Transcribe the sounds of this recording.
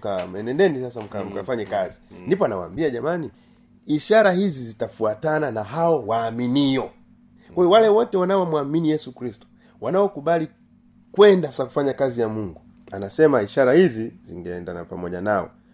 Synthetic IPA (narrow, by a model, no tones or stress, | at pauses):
kamɛnɛndɛnisasam̩kam̩kafaɲɛkazindipɔanawa̰ːmbiaʄamani | iʃaɾahizizitafuatananaɦaɔwaːminijɔ | kwajɔwalɛwɔtɛwanawamwaminijɛsukɾistu̥ | wanaɔkuɓali | kwɛndasaku̥faɲakazijamuŋɡu | a̰nasɛmaiʃaɾahiziziŋɡɛɛndana̰pamɔʄanaɔ̰